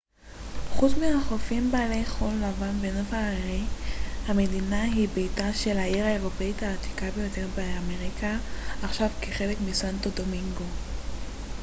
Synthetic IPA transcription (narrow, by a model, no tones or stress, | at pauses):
χut͡smihaχofimbaːlejχolːavanbenovaːiʁihame̞dinaɦibejtaʃe̞lhaiʁae̞ʁo̞pe̞itaːt̪i̥kabe̞jo̞te̞ʁbeame̞ʁikʰaaχʃavkeχe̞le̞kmisantodo̞miŋɡo̞